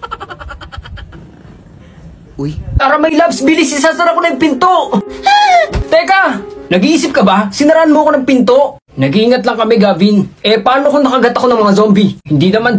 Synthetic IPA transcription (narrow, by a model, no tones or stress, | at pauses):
paːɾɐmɐjlabsbilɪsɪsasɐɾakonɐɡ̚pɪnt̪o | t̪ɛkanɐɡiiːsɪp̚kɐbasɪnɐɾaʔanmʊɐko̞nɐŋpɪnt̪oʔ | nɐɡiːŋɐt̪lɐŋkɐmɛɡaːbɪnʔɛpaːnokonɐkɐɡɐt̪ɐkoɐŋmɐŋazombihɪnd̪inɐman